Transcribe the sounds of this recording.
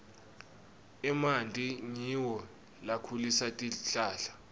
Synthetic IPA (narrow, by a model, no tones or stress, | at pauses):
ɛmantʼiɲiwɔ | lakʰulisatʼiɬaːɬḁ